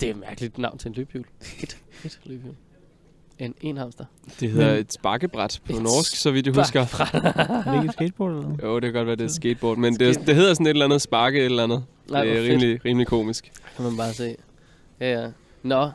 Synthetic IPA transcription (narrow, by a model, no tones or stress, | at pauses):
d̥e̝æmæɐɡ̥əlid̥nɑ̈ʊ̰nt͡sʰe̝enlyb̥jṵːld̥d̥lb̥ju | ene̝̰nhɑ̈msd̥ɐ | d̥e̝ɦe̝ð̰ˠɐe̝d̥sb̥ɑ̈ɡ̥əb̥ʁad̥pʰɒ̽nɒːsɡ̥sɒʋid̥d̥uusɡ̥ɐ | eɡsɡ̥ed̚b̥ɔd̥oːd̥e̝kʰæɡ̥ɒ̥ʋæɐd̥e̝sɡ̥ed̥̚b̥ɒ̰ːd̥mend̥e̝sd̥e̝ɦe̝ð̰ˠɐsɒ̽ne̝ɾ̥elænð̞̩ˠsb̥ɑ̈ːɡ̥əeɾlænð̞̩ˠ | ʁiːmliʁiːmlikʰo̝̰ːmisɡ̥kʰæmænb̥ɑ̈ːse̝̰ː | jææ | nɒ